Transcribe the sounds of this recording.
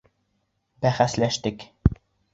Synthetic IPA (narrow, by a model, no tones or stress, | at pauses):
bæχæslæʃt̪ɘk